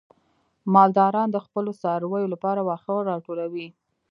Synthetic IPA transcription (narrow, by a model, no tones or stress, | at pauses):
mɑld̪ɑɾɑnd̪əxpəlosɑɾwəjolapɑɾawɑxəwɾɑʈolawi